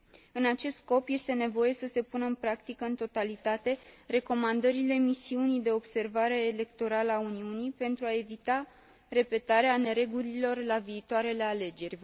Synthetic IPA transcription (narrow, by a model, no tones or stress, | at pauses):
ɨnat͡ʃe̞st̪sko̞pje̞st̪ene̞vo̞je̞səse̞punəɨnpɾakt̪ikəɨnt̪o̞t̪alit̪at̪e̞re̞ko̞mand̪əɾile̞misiunid̪e̞o̞bse̞rvaɾe̞ːle̞kt̪o̞ɾaləauniunipe̞nt̪ɾuae̞vit̪a | re̞pe̞t̪aɾeane̞ɾe̞ɡulilo̞rlaviːt̪oaɾe̞le̞ale̞d͡ʒe̞rʲ